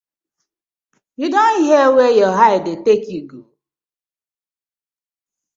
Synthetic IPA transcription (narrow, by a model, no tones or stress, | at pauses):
jidɔniɦewejɔɦaɪdetekiɡṵ